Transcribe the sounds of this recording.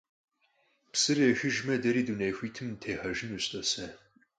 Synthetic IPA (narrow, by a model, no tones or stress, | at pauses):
psɨrexɨʒmɐdɐɾiːdunejxʷiːtʰɨmtʰeːħɐʒɪnuɕtʼɐsɐ